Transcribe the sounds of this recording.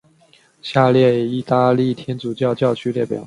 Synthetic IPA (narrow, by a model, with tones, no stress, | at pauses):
ɕja˥˧ljɛ˥˧i˥˩t̪a˥˧li˥˩t̪ʰjɛ˥nt͡su˨˩t͡ɕjɑ˥˧ʊt͡ɕjɑ˥˩ʊt͡ɕʰy˥ljɛ˥˩pjɑ̰˨˩˦ʊ